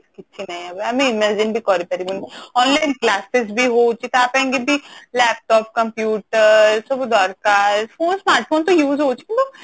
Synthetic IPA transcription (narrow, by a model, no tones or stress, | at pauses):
kɪtːʃʰinɐĩɛbɐmẽɪmɛd͡ʒɪnbʱikɔːɾipɐɾimʊnɔːnlaːɪnklaːsɪsbʱiɦot͡ʃʰit̪oaːpɐẽŋɡebʱilɛːp̚ʈɔːp̚kɐ̃mpjuːʈəɾsobd̪ɔːɾkaːɾfoːnsmaːɾʈ̚fʰoːnt̪ojuːzɦoːt͡ʃʰi̥kɪnt̪o